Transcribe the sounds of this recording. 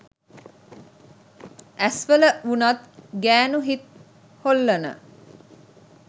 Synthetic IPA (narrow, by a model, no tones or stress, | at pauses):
ʔæsʋələunat̪ɡæːnuɦit̪̚ | holːənə̰